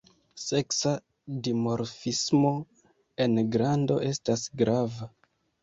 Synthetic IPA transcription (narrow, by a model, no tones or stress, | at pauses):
se̞ksa | dimo̞ɾfismo̞ | e̞nɡɾando̞̰ʔe̞stasɡɾava